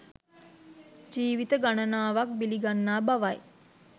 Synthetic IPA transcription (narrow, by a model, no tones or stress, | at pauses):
d͡ʒiːʋit̪əɡanənaːʋak̚biliɡanːaːbaʋaj